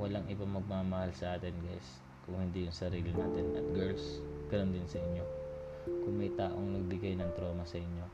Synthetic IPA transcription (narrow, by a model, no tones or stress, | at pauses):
wɐlaŋʔɪbaŋmɐɡ̚maːmɐhalsɐʔaːt̪ɪnɡas | kʊŋhɪnd̪ijʊŋsɐɾiːlɪnaːt̪ɪnɐt̪̚ɡɛɹlsɡ̥ɐnond̪ɪnsɐʔɪɲjo̞kʊŋmɐjt̪aːʔo̞ŋnɐɡ̚bɪɡajnɐŋt̪ɾo̞ːmɐsɐʔɪɲːo̞